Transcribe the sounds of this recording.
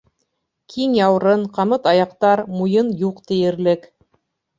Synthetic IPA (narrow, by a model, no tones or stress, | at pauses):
kʰiŋjɑwɾɤɴqɑmɤt̪ɑjɑqt̪ɑɾmujɤnjuqt̪ɘ̆jɘ̆ɾlɘk